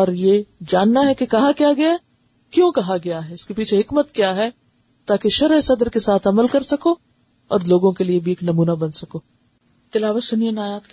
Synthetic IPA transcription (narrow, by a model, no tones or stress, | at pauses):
ɔːɾjeːd͡ʒaːnːaɦɛkekɐɦakijaɡɐjaɛ | kjõːkɐɦaɡɐjaɦɛɪskepiːt͡ʃʰeɦɪkmət̪kjaɦɛ | t̪aːkeʃɐɾɦsɐd̪əɾkesaːt̪ʰɐməlkɐɾsɐkoː | ɔ̰ːɾloːɡõkeliebʱieːknɐmuːnabɐnsɐkoː | t̪ɪlaːʋəsʊnijənaːjaːt̪k